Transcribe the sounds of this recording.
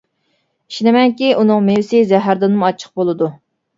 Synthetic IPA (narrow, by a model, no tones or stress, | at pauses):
iʃnɪmɛŋkʲiʔunɨŋmewɪsɪzɛɦæɾd̪ɨnmuɑt͡ʃʰːə̥q̚bolˠɨd̪u